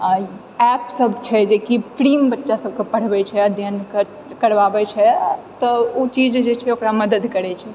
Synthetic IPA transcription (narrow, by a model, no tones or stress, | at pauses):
ɛpsəbʱt͡ʃʰɛd͡ʒekipʰɾimbətːʃasəb̚kepəɽ̤bɛt͡ʃʰɛəd̪jənk | kəɾbabɛt͡ʃʰɛt̪ɔot͡ʃid͡ʒd͡ʒet͡ʃʰɛokɾaməd̪əd̪kəɾɛt͡ʃʰɛ